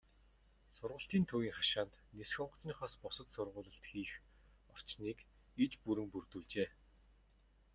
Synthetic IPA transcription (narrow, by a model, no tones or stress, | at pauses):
sʊrʁʊ̆ɬt̪iːnt̪ʰuːjiːŋχaʃaːnt̪nesxʲɔɴɢ̆t͡snʲiːχɔːspɔsə̆t̪sʊrʁʊːɮə̆ɬt̪xiːx | ɔr̥t͡ɕniːk | et͡ɕpuɾɘ̆ŋpurt̪uːɮt͡ɕeː